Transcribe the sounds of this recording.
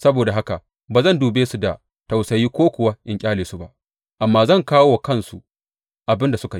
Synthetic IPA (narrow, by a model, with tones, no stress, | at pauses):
sɐ˦boː˨da˨ɦa˦ka˨ | baː˨zɐ˦˨nduː˨beː˦su˨da˨ | ta˨wsɐ˨jiː˦kʷoː˦kʷʊ˨wa˦ʔɪ˨ŋkʲʼaː˦leː˨su˦ba̰˦ʔ | ʔa˨mːaː˦zɐ˦˨ŋkaː˦wo˨kɐ˦nsu˨ | ʔa˨bɪ˦nda˨sʊ˦ka˨ji˦